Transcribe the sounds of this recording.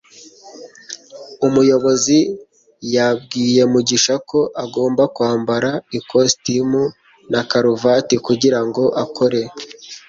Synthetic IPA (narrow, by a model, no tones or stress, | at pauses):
umujo̞βo̞zi | jab̚ɡiːje̞muɟiʃako̞ʔaɡo̞ːmbakwaːmbaɾaikostimu | nakaɾuvatikuɟiɾaŋɡo̞ʔakʰo̞ɾe̞